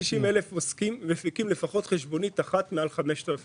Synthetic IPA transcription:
iʃimelefoskimːefikimle̞faχo̞t̪χeʃbo̞nitaχatmealχameʃt̪alaf

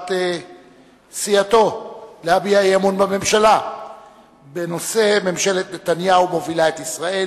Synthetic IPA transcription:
t̪e | siato̞leabiajamunbame̞mʃala | be̞no̞se̞me̞mʃe̞let̪ne̞t̪anjaumo̞vilaet̪isʁae

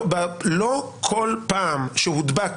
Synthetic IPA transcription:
balokʰolpaːmʃehud̪bak

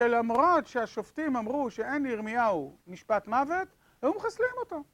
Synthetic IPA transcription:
elamʁo̞t̪ʃeaʃoft̪imamʁuʃeeniʁmijaumiʃpat̪mave̞t̪ | ajumχaslimo̞t̪o

